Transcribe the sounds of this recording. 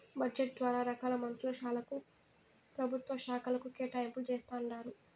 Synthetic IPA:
bɐd͡ʒeʈ̚d̪ʋaːɾaːɾɐkaːlɐmɐnt̪ɾulɐʃaːlɐku | pɾɐbʱut̪ʋɐʃaːkʰɐlɐkukeːʈaːjmpult͡ʃeːst̪aːɳːaːɾu

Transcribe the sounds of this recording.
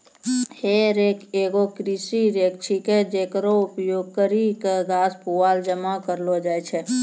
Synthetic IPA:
heːɾeːkeːɡokɾisiɾeːk̚t͡ʃʰiked͡ʒeːkɾoʊpjoːɡ̚kəɾikɡaːspuaːld͡ʒəmakəɾlod͡ʒaːjt͡ʃʰe

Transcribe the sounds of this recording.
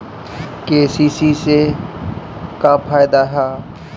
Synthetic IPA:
keːsisise | kapʰaːjd̪aɦɛː

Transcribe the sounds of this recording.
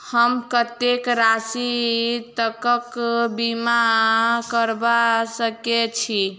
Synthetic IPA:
həmkət̪ekɾasit̪əkəkbimakəɾbasəket͡ʃʰi

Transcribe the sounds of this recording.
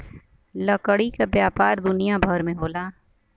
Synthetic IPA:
ləkəɽikabjaːpaːɾd̪ʊnijabʱɔːɾmẽɦoːlaː

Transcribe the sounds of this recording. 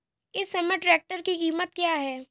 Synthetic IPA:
ɪsːɐmeʈɾɛːk̚ʈəɾkikiːmət̪̚kjaːɦɛː

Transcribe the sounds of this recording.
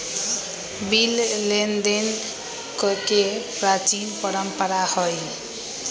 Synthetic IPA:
billend̪en | kʌkepɾat͡ʃinpʌɾʌmpəɾahoj

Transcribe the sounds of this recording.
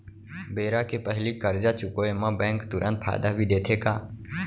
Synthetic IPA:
beːɾaːkeːpəɦliːkəɾd͡ʒaːt͡ʃʊkoːeːmãːbɛ̃ːŋkt̪ʊɾʔə̃nt̪̚pʰa̰ːd̪aːbʱiːɗ̪eːt̪ʰeːkaː

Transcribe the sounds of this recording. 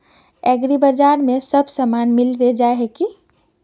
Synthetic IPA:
ɛɡɾibəd͡ʒaɾmesəbʱsəmanmilbed͡ʒaeɦeki

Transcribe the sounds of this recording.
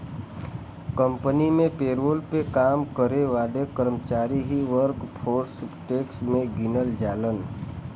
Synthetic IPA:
kə̃mpənimẽpeːɾoːlpekaːmkəɾeʋaːlekəɾmət͡ʃaːɾiɦiʋəɾkpʰoːɾspʈeːksmẽɡɪnəld͡ʒaːlən

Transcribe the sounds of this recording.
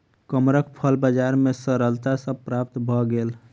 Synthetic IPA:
kəmɾəkpʰəlbad͡ʒaɾmesəɾəlt̪asəbpɾap̚t̪bʱɔɡel

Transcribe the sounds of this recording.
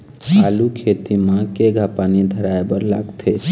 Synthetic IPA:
kalukʰet̪imãkeɡʱapanid̪ʱəɾaebəɾlaɡt̪ʰe

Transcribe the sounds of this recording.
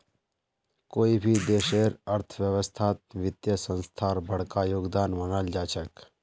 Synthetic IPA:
koːibʱid̪eːʃeɾɐɾt̪ʰʋjəʋəst̪ʰaːt̪̚ʋɪt̪jəsə̃nst̪ʰaːɾbʱəɽ̤kajoːɡd̪aːnmənəld͡ʒaːt͡ʃək

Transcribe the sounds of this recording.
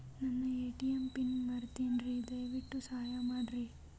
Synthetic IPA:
nɐnːɐeːʈijempinmɐɾt̪inɾid̪ɐjʋiʈːusɐɦajɐmaːɖɾi

